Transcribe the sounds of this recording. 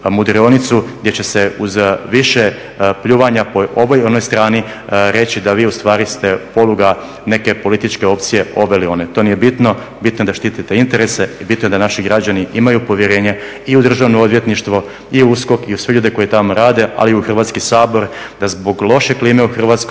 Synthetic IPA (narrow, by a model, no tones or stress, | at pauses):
mud̪ɾio̞nit̪suɡd̪ʲjet͡ɕe̞seuzʋiʃe | pʎuːʋaɲapo̞ʔoʋojonojst̪ɾaːni | ɾe̞t͡ɕid̪aʋiːust̪ʋaːɾist̪e̞po̞luɡa | ne̞ke̞po̞lit̪it͡ʃke̞o̞p̚t̪sije̞o̞ʋelio̞net̪onije̞bit̪no̞ | bit̪noed̪aʃt̪it̪it̪e̞int̪eɾe̞sebit̪nojd̪anaʃiɡɾad͡ʑaniʔimajupo̞ʋjeɾe̞ːɲe̞ | iud̪r̩ʒaʋnood̪ʋje̞t̪niʃt̪ʋo | iusko̞kiusʋeʎuːd̪eko̞jit̪amoɾaːd̪e̞ʔa̰liiuxr̩ʋaːt̪skisaːbo̞ɾ | d̪azbo̞ɡlˠo̞ʃe̞kliːmeuxr̩ʋaːt̪sko